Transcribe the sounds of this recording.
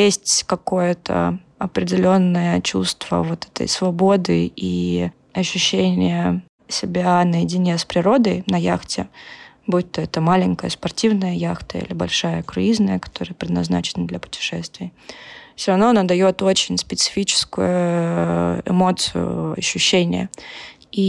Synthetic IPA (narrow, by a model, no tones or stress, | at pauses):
jesʲtʲkɐko̞jət̪ʰə̰ | ɐpɾʲɪdʲɪlʲo̞nːəjət͡ɕṵst̪və̰vot̪ɛ̥t̪ə̰jsvɐbo̞d̪ɨi | ɐɕːʉɕːenʲɪjə | sʲɪbʲanəjɪdʲɪnʲespɾʲɪɾo̞d̪əjnɐjaxtʲɪ | but̪ːəɛt̪əmalʲɪnʲkəjəspɐrtʲivnəjəjaxt̪əḭlʲɪbɐ̰lʲʂajəkɾʊ̰iznəjəkɐ̥t̪o̞ɾəjəpɾʲɪd̪nɐzna̰t͡ɕɪnəd̪lʲɐpʊ̥tʲɪ̥ʂɛst̪vʲɪjəfsʲoɾɐvnoɐnad̪ɐjo̞t̪o̞t͡ɕɪnʲspʲɪt̪sɨ̥fʲit͡ɕɪ̥skʊjʊ | ɪ̰mo̞t̪sɨ̰jʊ̰ɐ̰ɕːʉɕːenʲɪ̰jə̰ | i